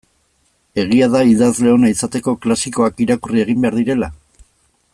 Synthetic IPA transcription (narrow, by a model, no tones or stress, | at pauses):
e̞ɣ̞iaðaiðazle̞o̞naisat̪e̞ko̞klasiko̞akiɾakurie̞ɣ̞imbe̞aɾðiɾe̞la